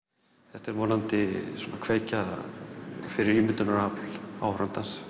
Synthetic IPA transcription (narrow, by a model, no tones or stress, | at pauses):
θɛht̪ɛɾvɔːnant̪ɪsɔːnakʰveːjca | fɪɾɪɾiːmɪt̪ʏnaɾapla̰whɾant̪ans